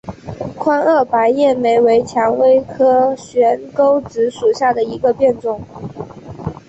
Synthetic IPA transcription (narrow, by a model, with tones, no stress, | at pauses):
kʰwa˥nə˥˩pa˧˥ɪjɛ˥˩me˧˥ɪwe˧˥ɪt͡ɕʰjɑ˧˥ŋwe˥ɪkʰɤ˥ɕɥɛ˧˥nko˥ʊt͡sɻ̩˧˥ʂu˨˩ɕja˥˩d̪ə˩i˧˥ɡə˧pjɛ˥˧nʈ͡ʂʊ˥˩ŋ